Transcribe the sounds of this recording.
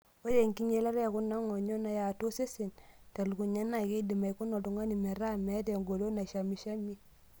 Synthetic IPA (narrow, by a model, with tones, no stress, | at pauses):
wo˦je˨ŋki˦ɲe˦la˦ɾja˨ku˦na˦ŋo˨ɲo˦na˨ja˨to˦se˦se˨nta˨lu˨ku˨ɲa˦na˨ke˦di˨ma˨jku˦no˨tu˨ŋa˦ni˨me˨ɾa˦mɛ˨˦te˨ŋɡo˨lo˦na˨ʃa˨mi˨ʃa˦mi˦